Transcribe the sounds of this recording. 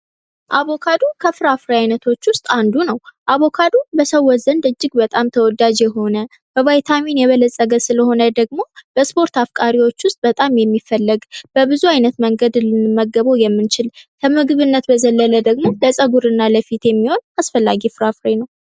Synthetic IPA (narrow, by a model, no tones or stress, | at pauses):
ʔaβo̞kʰad̪ukʰəfɨɾafɾajnət̪ʰo̞t͡ʃːwʊst̪ʼand̪unəwʔaβo̞kʰad̪ubəsəwːɔzənd̪ɨd͡ʒːɪɡbət̪ʼamt̪ʰəwɔd̪ad͡ʒjɛɦo̞nə | b̥əvajt̪ʰaminjɛβələsʼəɡəsɨləho̞nəd̪əɡmo̞b̥əspʰo̞ɾt̪afkʼaɾiwo̞t͡ʃːwʊst̪ʼbət̪ʼamjɛmːifəlːəɡb̥əbɨzuajnət̪məŋɡəd̪lɨnɨmːəɡːəβojɛmːɨnt͡ʃɪlkʰəmɨɡɨβɨnːət̪bəzəlːələd̪əɡmo̞ləsʼəɡuɾɨnːaləfit̪jɛmːiho̞nasfəlːaɡifɾafɾenəw